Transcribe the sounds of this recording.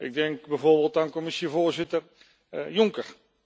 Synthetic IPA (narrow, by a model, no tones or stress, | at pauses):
ɪɡ̚dɛŋkbɛjvoːɹbeːlˠtaːnkɔmɪsivoːɹzɪtər | jʊŋkəɹ